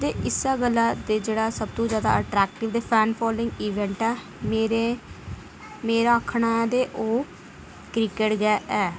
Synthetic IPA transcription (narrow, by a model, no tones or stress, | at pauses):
t̪eːʔɪsaːɡəlːaːd̪eːd͡ʒeːɽaːsəb̚t̪õːzjaːd̪a̰ːəʈɾɛːkʈɪʋd̪eːpʰɛːnpʰɔːlɪ̃ŋɡiːʋɛ̃ɳʈɛː | meːɾeː | meːɾaːəkʰɳaːɛːd̪eːʔoː | kɾɪkeʈɡɛːʔɛː